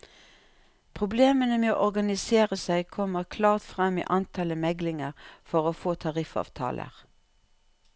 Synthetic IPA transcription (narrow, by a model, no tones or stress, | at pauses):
pʰʁʊbleːmənəmeːo̰ːʔɔʁɡɑnɪseːʁəsæɪkʰɔmːəʁkʰlɑːʁt̪fʁɛmːḭːʔɑnt̪ʰɑləmɛɡlɪŋəʁfɔʁoːfoːt̪ʰɑʁɪfɑ̰ːʋt̪ʰɑ̰ːlʔə̰ʁ